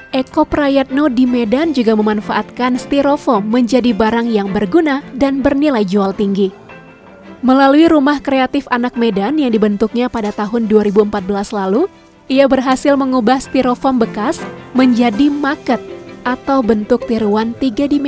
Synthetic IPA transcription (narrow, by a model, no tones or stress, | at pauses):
ʔekopɾajɛt̪̚nodimedand͡ʒuɡaməmanfaʔat̪̚kanst̪iɾofɔmːəɲd͡ʒadibaɾaŋjaŋbərɡunadanbərnilajd͡ʒualt̪iŋɡi | məlaluiɾumahkɾeat̪ɪfanak̚medanjaŋdibənt̪ʊk̚ɲapadat̪aɦʊnduaɾibuəmpat̪̚bəlaslalu | ʔiabərɦasɪlməŋubahst̪iɾofɔmbəkasməɲd͡ʒadimakət̪̚ʔat̪awbənt̪ʊk̚t̪iɾuwant̪iɡadim